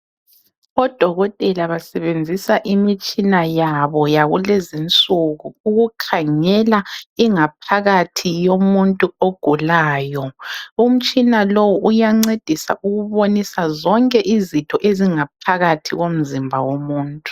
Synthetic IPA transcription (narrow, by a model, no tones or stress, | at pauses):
ɔd̥ʱɔɣɔtʼɛlaβasɛβend͡zʱisaʔimit͡ʃʼinajaβɔjaɣulezint͡sʼuɣuːɣukʰaŋɛlaiŋapʰaɣatʰijomuntʼuoɡ̥ʱulaːjɔum̩t͡ʃʼinalowuʔujaŋ͡ǀed̥ʱisa̰ʔuɣuβonisazɔŋkʼɛʔizitʰɔʔeziŋap̚ʰaɣatʰiɣom̩zimbʱawomuːntʼu̥